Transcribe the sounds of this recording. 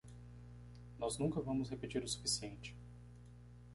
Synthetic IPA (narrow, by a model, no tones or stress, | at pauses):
nɔznũŋkɐvɐ̃mʊshepit͡ʃiɾʊsu̥fisiẽnt͡ʃɪ̥